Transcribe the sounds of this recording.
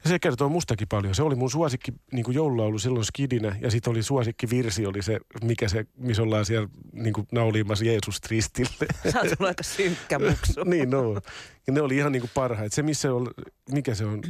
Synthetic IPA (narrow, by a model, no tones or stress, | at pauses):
jɑsieækert̪oːmust̪ɑkipɑljoseolimunsuɑsikːiniːŋkujoululɑolːˑusilːonskidinæjɑsit̪olisuɑsikːiʋirsiolisemikæsemisolːɑːsiælniːŋkunɑuliːmːɑsjeːsust̪rist̪ilːesɑːsulɑikɑsyŋkːæuksniːnnoː | neoliihɑnniːŋkuppɑrhɑet̪semisːeolmikæseon